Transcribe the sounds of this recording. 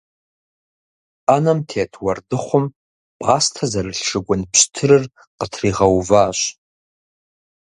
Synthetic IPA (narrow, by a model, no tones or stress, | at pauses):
anamtʰetʰwardɨχʷʊm | bʼʁastʰazarɨɬʂɨɡʷʊnpʰɕtʰɨɾɨr | qətʰriʁawvaːʃʷ